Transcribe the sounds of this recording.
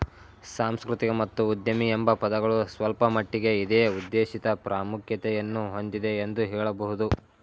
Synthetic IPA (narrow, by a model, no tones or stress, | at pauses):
saːmskɾut̪iɡɐmɐt̪ːuːd̪jɐmiembɐpɐd̪ɐɡɐɭusʋɐlpɐmɐʈːiɡe̞id̪eːud̪ːeːʃit̪ɐpɾʔaːmukʰjɐt̪ɛjɐnːuɦo̞nd̪id̪e̞ːnd̪uɦɛːɭɐbɐɦud̪u